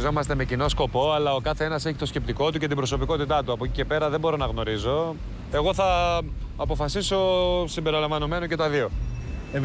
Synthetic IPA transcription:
zo̞mɐst̪e̞me̞cino̞sko̞po̞ɐlɐo̞kɐθeenɐse̞çit̪o̞sce̞p̚t̪iko̞t̪uce̞t̪ibɾo̞so̞piko̞t̪it̪ɐt̪uɐpocice̞pe̞ɾɐðe̞bo̞ɾo̞nɐɣno̞ɾizo̞ | e̞ɣo̞θɐː | po̞fɐsiso̞simbeɾilɐɱvɐno̞me̞noce̞t̪ɐðio̞

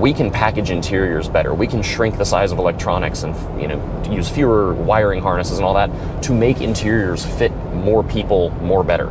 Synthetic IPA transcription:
wikʰɨ̃npʰækɨd͡ʒɨ̃ntʰɪɹiə˞zbɛɾə̰˞wikʰɨ̃nʃɹɪ̃ŋk̚ðəsaɪzʌvəlɛk̚tʰɹ̥ɑnɨ̰ksɨ̃n | jɨ̰ño̰ʊ | jʉz̥fjɔɹə˞waɪə˞ɪ̃ŋɦɑɹnɨsəz̃nɔlˠðətʰ | ɨmeɪkɪ̰̃ntʰɪɹiə˞z̥fɪt̚mɔɹpʰipl̩ˠmɔɹbɛɾə̰˞

